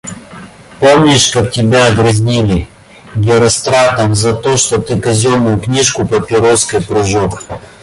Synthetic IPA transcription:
pomnʲɪʃkaktʲɪbʲaɡɾɐzʲnʲilʲɪ | ɡʲɪɾɐst̪ɾat̪ɐmzɐt̪oʂt̪ot̪ɨkɐzʲomʊjʊknʲiʂkʊpɐpʲɪɾoskəjpɾʊʒok

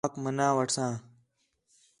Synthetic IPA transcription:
kmənãːʋəʈʰsãː

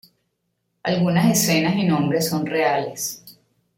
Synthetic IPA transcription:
alɣunase̞se̞nasinõ̞mbɾe̞so̞nre̞ale̞s

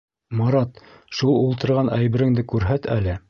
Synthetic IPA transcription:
mɑɾɑt̪ | ʃulˠulˠt̪ɤ̆ɾʁɑnʔæjβɘ̆ɾɘ̆ŋd̪ɘkʉɾɦæt̪ʰælɘ

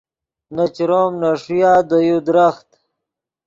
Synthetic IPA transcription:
nat͡ɕɾoːmnaʂujaːd̪əjud̪ɾaxt̪

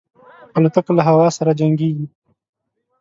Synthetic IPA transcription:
alʊt̪akolaɦawɑsaɾad͡ʒaŋɡeɡi

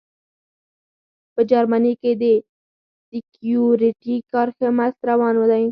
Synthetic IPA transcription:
pəd͡ʒaɾmaniked̪e | sɪkjuɾɪʈikɑɾxemast̪ɾawɑnwəd̪ã

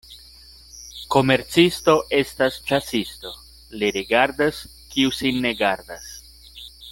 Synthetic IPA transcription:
ko̞me̞ɾt͡sisto̞ʔe̞stast͡ʃasisto̞ | liɾiɡaɾdas | kiusinːe̞ɡaɾd̪as

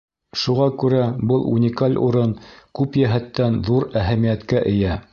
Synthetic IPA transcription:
ʃuʁɑkʉɾæbɤlˠṵnʲɪkalʲṵɾɤnkʉpjæɦæt̪ːænðuɾæɦæmijæt̪kæʔɘ̆jæ

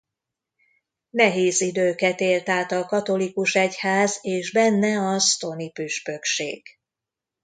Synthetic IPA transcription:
nɛɦeːzid̪øːkɛt̪eːlt̪aːt̪ɒkɒt̪o̞likuʃɛchaːzeːʒbɛnːɛɒst̪o̞nipyʃpø̞kʃḛːɡ̥

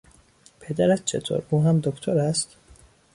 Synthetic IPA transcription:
pʰe̞d̪æɾæt̪̚t͡ʃʰe̞̰t̪ʰo̰ɾuːɦæmd̪okʰt̪ʰoɾæst̪

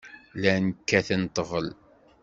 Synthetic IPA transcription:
lænkːæθənt̪ˤːəʁəl

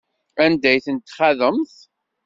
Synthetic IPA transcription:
ænd̪æjθənt̪ːχæðəmθ

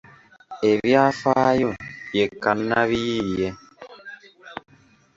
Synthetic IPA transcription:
eβjafaːjojekanːaβijijɛ

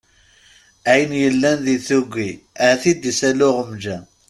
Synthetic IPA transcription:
æjənjəlːænðiθuɡʷːiæθid̪isælʊʁəmd͡ʒæ

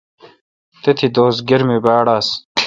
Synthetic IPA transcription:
t̪et̪ʰid̪oːsɡiɾmibaːɽaːs

